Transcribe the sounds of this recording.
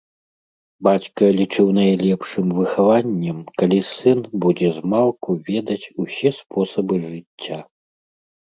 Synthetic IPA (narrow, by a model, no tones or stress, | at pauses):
bat͡sʲkɐlʲit͡ʂɨwnɐjlʲɛpʂɨmvɨxavanʲːɐmkalʲisɨnbud͡zʲɛzmalˠkuvʲɛd̪ɐt͡sʲusʲɛspʰɔsɐbɨʐɨt͡sʲːa